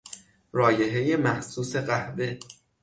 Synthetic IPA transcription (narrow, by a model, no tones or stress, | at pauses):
rɒːje̞ɦe̞je̞mæhsuːse̞ɢæhbe̞